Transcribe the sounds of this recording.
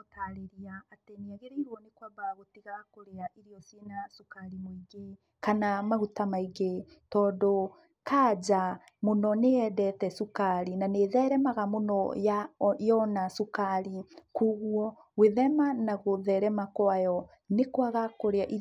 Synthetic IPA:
otaɾeɾiaːtɛniaɣeɾɛiɾwɔnekwabaɣotiɣakoɾeaʔiɾiɔsjenasukaɾimoiɡe | kanamaɣutamaiɡe | tɔːndo | kaːd͡ʑa | monɔneɛdɛtɛsukaɾinaneðɛɾɛmaɣamonɔjajɔnasukaɾikuɣwɔ | weðɛmanaɣoðɛɾɛmakwajɔ | nekwaɣakoɾeaʔi

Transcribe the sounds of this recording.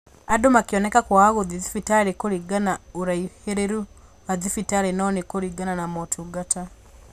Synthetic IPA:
adomakiɔnɛkakwaːɣoðiðifitaɾekoɾiɡanaoɾaiheɾeɾu | aðifitaɾenɔnekoɾiɡananamɔtʰuɡata

